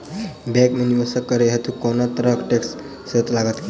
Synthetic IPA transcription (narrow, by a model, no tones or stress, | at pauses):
bɛ̃kmunibəsəkːəɾeɦet̪ʰukɔnat̪ɾəkʈeks | set̪laɡət̪ki